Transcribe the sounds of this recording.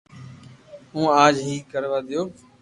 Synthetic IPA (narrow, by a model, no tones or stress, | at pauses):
ũːaːd͡ʒɦiːkəɾʋaːd̪ɪjoː